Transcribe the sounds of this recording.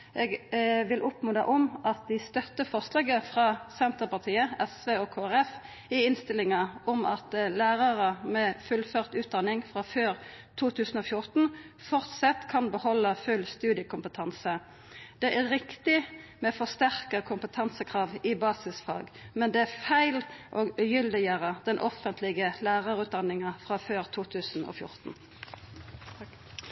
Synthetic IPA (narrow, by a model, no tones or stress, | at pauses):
ʔeːɡʋɪlʔɔpmʉnd̪ɑʔɔmʔɑt̪̚d̪ɪst̪œt̪ːəfɔʁsleːɡəfʁɑsɛnt̪əʁpɑʁt̪ʰiːəɛsʋeːɔkʰoːæʁɛf | ɪɪnst̪ɪlɪŋəɔmɑt̪læːʁɑʁəmɛfʉlføʁt̪ʉːt̪̚d̪ɑnɪŋfʁɑføːʁt̪ʰuːt̪ʰʉːsən̩oːfjʊʁt̪n̩ | fɔʁt̪sɛt̪ːkʰɑnbəhɔlːəfʉlst̪ʉːd̪ɪəkʊmpət̪ʰɑnsə | d̪̥ɛʔæʁʁɪkt̪ɪmɛfɔst̪æʁkəkʰʊmpət̪ʰɑnsəkʰʁɑːʋɪbɑːsɪsfɑ̰ːɡmɛnd̪ɛæfæɪlʔoːɡʉjʏld̪ɪɡəʁəd̪̥ɛnʔɔfənt̪ʰlɪɡəlæːʁɑʁʉːt̪̚d̪ɑnːɪŋɑfʁɑːføːʁt̪ʰuːt̪ʰʉːsn̩o̰ːfjʊ̰ʁt̪n̩